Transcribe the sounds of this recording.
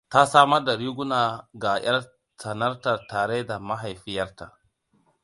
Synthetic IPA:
ta˦saː˦mɐ˦rda˨ɽiː˦ɡʷʊ˦naː˨ɡa˨j̰ɐ˦r | sɐ˨nɐ˦rta˨taː˨ɽe˦da˨ma˦ɦa˨jɸɪ˦jɐ˦rta˨

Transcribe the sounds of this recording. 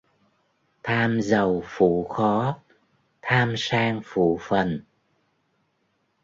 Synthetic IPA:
t̪ʰaː˧mzə˨˩wfṵ˧˩˨xɔ˨˦ | t̪ʰaː˧msaː˧ŋfṵ˧˨fə˨˩n

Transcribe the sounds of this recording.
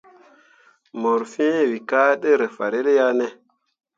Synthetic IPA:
mo˨ɾfĩ˦˨wi˨ka˦ɗe˦ɾe˨fa˨ɾe˦ɾe˦ja˦ne˦

